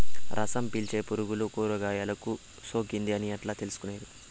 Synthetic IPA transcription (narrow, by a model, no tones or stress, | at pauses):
ɾʔɐ̰sɐmpilt͡ʃeːpuɾuɡulukoːɾuɡaːjaːlɐku | soːkind̪iɐniɐʈlaːt̪elusu̥kuneːɾi